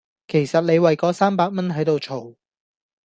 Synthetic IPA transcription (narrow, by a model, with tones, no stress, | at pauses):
kʰe˨˩jsɐ˨t̚ne˨˧jwɐ˨jkɔː˨˧saː˥mpaː˨k̚mɐ˥nɦɐ˨˥jt̪o˨wt͡ʃʰo˨˩w